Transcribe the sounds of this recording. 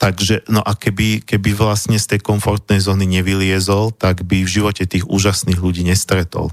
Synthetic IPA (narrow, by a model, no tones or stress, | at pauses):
t̪aɡʒɛnɔʔakɛbikɛbiʋlasɲɛst̪ɛjkɔɱfɔɾt̪nɛjzɔːniɲɛʋilɪɛzɔlt̪aɡbivʒiʋɔcɛt̪iːɣuːʒasniːɣʎuɟiːɲɛst̪ɾɛt̪ɔ̰l